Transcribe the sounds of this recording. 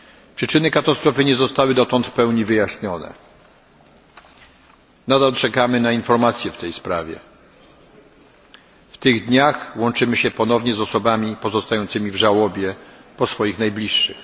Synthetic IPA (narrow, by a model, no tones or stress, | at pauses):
pʂɘt͡ʂɘnɘkat̪ast̪ɾɔfɘɲɛzɔst̪awɘd̪ɔt̪ɔnt̪pɛwɲivɘjaɕɲɔnɛ̰ | nad̪alt͡ʂɛkamɘnainfɔɾmat̪sʲjɛft̪ɛjspɾa̰vʲjɛ̰ | ft̪ɘɣd̪ɲaxwɔnt͡ʂɘmɘɕɛpɔnɔvɲɛzɔsɔbamʲipɔzɔst̪ajɔnt̪sɘmʲivʐawɔbʲjɛpɔsfɔjixnajblʲiʂːɘ̰x